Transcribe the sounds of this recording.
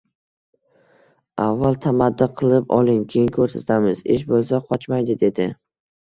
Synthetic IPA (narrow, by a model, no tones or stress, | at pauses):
avːalˠt̪ʰamad̪ːɪqʰɨlˠɪpɒ̰lˠɪŋkʲʰejɪŋkʰɵɾsat̪ʰamɪzɪ̰ʃbolˠsaqʰɒt͡ʃmajd̪ɪd̪e̞d̪ɪ